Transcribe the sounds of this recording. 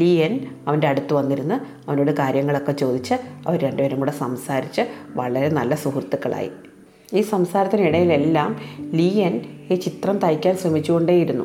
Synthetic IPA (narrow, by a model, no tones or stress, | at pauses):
liːjɐnɐʋɐnde̞ɐɽut̪ːuʋɐnːiɾunːɨ | ɐʋɐno̞ːɽɨkaːɾjɐŋːɐɭo̞kːet͡ɕo̞ːd̪it͡ɕːɨɐʋɐɾɾeɳɖɨʋɐɾumuɽesɐmsaːɾit͡ɕːɨʋɐɭɐɾe̞nɐlːɐsuhrt̪ːukːɐɭa̰ːjḭ | iːsɐmsaːɾɐt̪ːiniɽɐjile̞lːaːmliːjɐniːt͡ɕit̪rɐmt̪ɐjkʲːaːnsrɐmit͡ɕːuɣo̞ɳɖeːjiɾunːṵ